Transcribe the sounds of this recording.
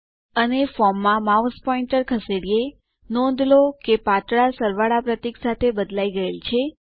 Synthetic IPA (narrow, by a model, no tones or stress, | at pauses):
ənefɔmːãmauspɔiɳʈəɾkʰəseɽije | nɔ̃nd̪lokepat̪ɭasəɾʋaɭapɾət̪iksat̪ʰebəd̪laiɡəelt͡ʃʰe